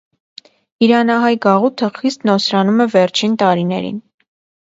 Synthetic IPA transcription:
iɾɑnɑɦɑjɡɑʁut̪ʰəχist̪nɔsɾɑnumɛvɛɾt͡ʃʰint̪ɑɾinɛɾḭn

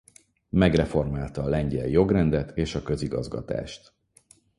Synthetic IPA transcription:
mɛɡrɛfo̞rmaːlt̪ɒːlɛɲɟɛljo̞ɡrɛnd̪ɛt̪ʰeːʃɒkø̞ziɡɒ̰zɡɒ̰t̪a̰ːʃt̪

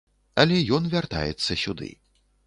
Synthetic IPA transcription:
ɐlʲɛjɔnvʲart̪a̰jɛ̰t̪sːɐsʲud̪ɨ̰

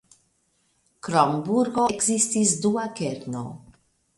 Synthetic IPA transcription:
kɾɔmbuɾɡoeɡzist̪isd̪uːakɛɾno̰

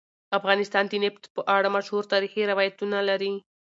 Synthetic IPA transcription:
afɣɑnɪst̪ɑnd̪ineft̪pəʔaɽamaʃhuɾt̪ɑɾixiɾawɑjat̪unalaɾi

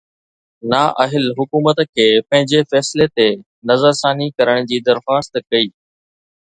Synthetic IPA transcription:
naːʔɐɦɪlɦʊkuːmət̪kʰeːpɐ̃ɦɪ̃ɲd͡ʑefɛːsɪlet̪e | nɐzəɾsaːnikɐɾəɽ̃d͡ʑiːd̪ɐɾxaːst̪kɐiː

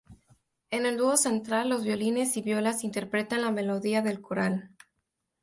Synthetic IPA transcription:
e̞ne̞ld̪wuose̞nt̪ɾalːo̞zβjo̞line̞siβjo̞lasint̪e̞ɾpɾe̞t̪anlame̞lo̞ðiaðe̞lkoɾal

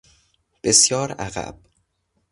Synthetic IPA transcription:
b̥esjɒːɾæ̰ɣæ̰b̥

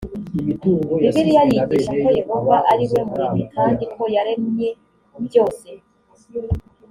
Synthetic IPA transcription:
iβiɾijaɾiɡiʃako̞jeɡoɡaʔaɾiwe̞muɾimikʰaːndiko̞jaɾe̞mɲe̞ | ubjo̞ːse̞

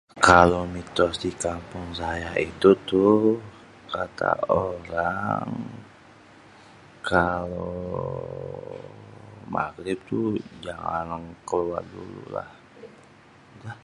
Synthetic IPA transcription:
kalomit̪ɔsdikampʊŋsajaʔit̪ut̪u | kat̪a̰oɾaŋ | kalo | ma̰ɡɾɪp̚t̪ud͡ʒaŋanŋkəluat̚dulṵla̰h | dah

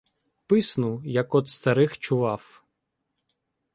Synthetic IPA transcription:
pɪsnʊjɐkɔd̪st̪ɐɾɪxt͡ʃʊʋɑw

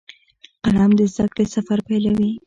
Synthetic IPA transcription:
qalɑmd̪əzd̪ak̚p̪əsafaɾpajlawi

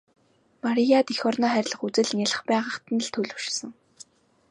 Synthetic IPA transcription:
maɾijat̪ixɔrnɔːχæɾʲɪ̆ɮə̆χut͡sɘ̆ɮŋʲaɮə̆χpæːʁə̆χt̪ə̆n̆ɮt̪ʰɵɮɵ̆wʃsə̆ŋ

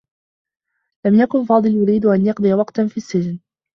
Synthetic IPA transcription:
lamjakʊnfɑːd̪ˤɨljʊɾiːd̪ʔanjɑq̚d̪ˤɨjawɑqt̪fiːasːɪd͡ʒn

